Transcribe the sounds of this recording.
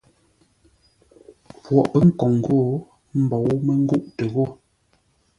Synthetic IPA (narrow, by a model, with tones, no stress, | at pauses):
pwɔ̰˨ʔpə˦ŋ̩˦kɔ˨ŋ˨ɡo˦˨ | m̩˦bɔ˨wmə˦ŋ̩˦ɡu˦ʔtə˨ɣo˦˨